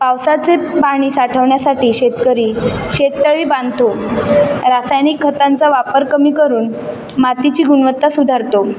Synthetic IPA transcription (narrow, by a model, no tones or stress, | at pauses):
pawsat͡sepaɽ̃iːsaʈʰəʋɳjasaʈiːɕet̪kəɾiːɕet̪ːəɭiːbãnd̪ʱt̪o | ɾasajnikʰːət̪ant͡saʋapəɾkəmiːkəɾuːn | mat̪it͡ɕiːɡuɳʋət̪ːasud̪ʱaɾt̪o